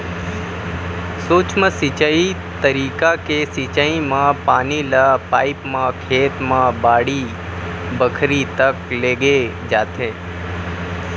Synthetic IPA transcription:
soːt͡ʃməsɪt͡ʃai | t̪əɾiːkakesit͡ʃaĩmãpaːnilaːpaːipmãkʰeːt̪mãːbaːɽi | bəkʰɾit̪əkleːɡe | d͡ʒaːt̪ʰẽː

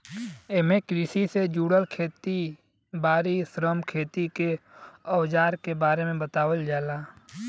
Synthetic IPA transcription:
emẽkɾisised͡ʒuːɽəlkʰeːt̪i | baːɾisɾəmkʰeːt̪ikeəwd͡ʒaːɾkebaːɾemẽbət̪aːwəld͡ʒaːlaː

